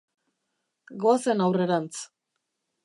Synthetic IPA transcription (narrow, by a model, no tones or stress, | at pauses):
ɡoasenawre̞ɾant͡s